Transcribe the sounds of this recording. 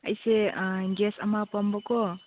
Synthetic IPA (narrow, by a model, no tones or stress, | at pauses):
ə̰jseɡesʌmapɔmbɔko